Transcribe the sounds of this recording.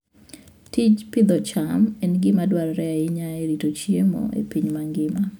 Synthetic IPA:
tit͡ʃpɪd̪ɔt͡ʃamɛnɡɪmadwaɾɾɛaɪɲaeɾitot͡ʃjemo̰ḛpiɲmaŋɡɪma

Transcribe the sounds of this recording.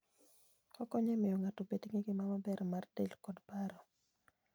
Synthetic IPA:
ɔkɔɲɛmɪjɔŋatopetŋeɡɪmamabɛɾmartelkɔdpaɾɔ

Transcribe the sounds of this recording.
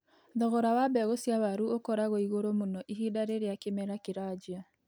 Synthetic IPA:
ðɔɣɔɾawabɛɣosiaβaɾuokɔɾaɣɔiɣoɾomonɔʔiɦidaɾeɾeakemɛɾakeɾad͡ʒia

